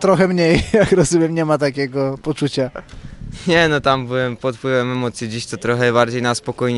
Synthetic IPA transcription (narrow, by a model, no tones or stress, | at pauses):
t̪ɾɔxɛmɲejjakɾɔzumʲjɛmɲɛmat̪akʲɛɡɔpɔt͡ʂut͡ɕa | ɲɛnɔt̪ambɨwɛmpɔt̪̚pwɘvɛmɛmɔt̪sʲjid͡ʑiɕt̪ɔt̪ɾɔxɛbaɾd͡ʑejnaspɔkɔjɲ